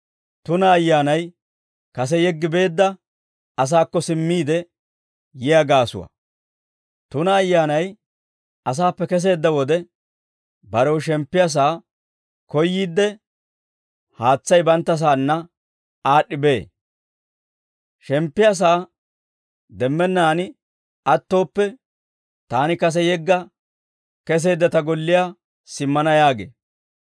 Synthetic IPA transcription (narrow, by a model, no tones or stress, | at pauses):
t̪ʊnɐːjːaːnɐj | kɐsɛjɛɡːɪbe̞ːd̪ːɐ | ɐs̬aːkːɔsɪmːiːd̪ɛ | jɪjaɡaːsʊ̰wɐ̰ | t̪ʊnɐːjːaːnɐj | ɐs̬aːpːɛkɛs̬e̞ːd̪ːɐwɔd̪ɛ | bɐɾɛwʃɛmpːɪɐs̬aː | kɔjːiːd̪ːɛ | haːt͡sːɐjbɐnt̪ːɐs̬aːnːɐ | aːɗːɪbe̞ː | ʃɛmpːɪjɐs̬aː | d̪ɛmːɛnːaːnɪ | ɐt̪ːo̞ːpːɛ | t̪aːnɪkɐs̬ɛjɛɡːɐ | kɛs̬e̞ːd̪ːɐt̪ɐɡɔlːɪjaː | sɪmːɐnɐjaːɡḛː